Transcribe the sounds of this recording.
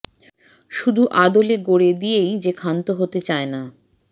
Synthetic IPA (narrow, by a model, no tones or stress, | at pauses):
ʃud̪ʱuʔad̪oleɡoɽed̪ijejd͡ʑekʰant̪oɦot̪et͡ɕaena